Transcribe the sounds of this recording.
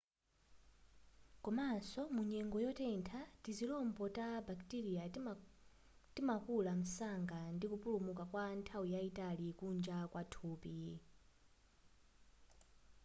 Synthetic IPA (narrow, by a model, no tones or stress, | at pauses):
kɔmasɔmuɲɛŋɡɔjɔtɛntʰatizilɔmbɔtabaktiɾia | timakulam̩saŋɡandikupulumukakwantʰawujaitalikund͡ʒakwatʰuːpi